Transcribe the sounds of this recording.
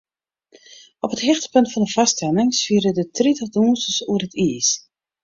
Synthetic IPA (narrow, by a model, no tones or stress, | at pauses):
ʔɔpətɦɪxtə̥pɵntfɑndəv̥ɑstɛlɪŋsfiəɾədətritəχduːnsəsuərətiːs